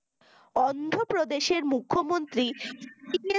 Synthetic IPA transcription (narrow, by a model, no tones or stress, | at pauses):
ɔnd̪ʱopɾod̪eʃeɾmukʰːomont̪ɾiie